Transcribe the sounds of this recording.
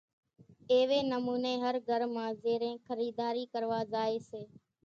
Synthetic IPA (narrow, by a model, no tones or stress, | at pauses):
eːʋeːnəmuːneːɦəɾɡʱəɾmãːzeːɾẽːkʰəɾiːd̪aːɾiːkəɾʋaːzaːeːseː